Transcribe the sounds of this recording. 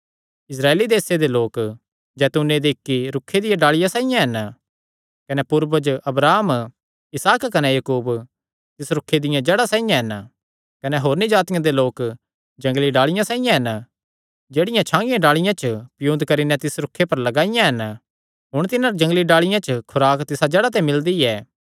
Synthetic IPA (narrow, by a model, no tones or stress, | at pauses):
ɪs̬ɾaːeːlid̪eːsed̪eloːk | d͡ʒɛːt̪uned̪eɪkːiɾʊkʰːed̪ɪjãɖaːɭɪjãsaːɪjãɦɛn | kɐnɛpʊɾʋəd͡ʒʔɐbɾaːm | ɪsaːkːɐnɛjɐkuːb | t̪ɪsɾʊkʰːed̪ɪjãd͡ʒɛːɽasaːɪjãɦɛn | kɐnɛɦoːɾnid͡ʒaːt̪ɪjãd̪eloːk | d͡ʒɐ̃ŋɡliɖaːɭɪjãsãːɪjãɦɐn | d͡ʒeːɽɪjãt͡ʃʰãːŋɡɪjãɖaːɭɪjãt͡ʃpɪjũːd̪kɐɾinɛt̪ɪsɾʊkʰːepɐɾlɐɡaːɪjãɦɐn | ɦʊɽ̃t̪ɪnãɾd͡ʒɐ̃ŋɡliɖaːɭɪjãt͡ʃəkʰʊɾaːkt̪ɪsad͡ʒɛːɽat̪̬ɛ̃mɪld̪iɛː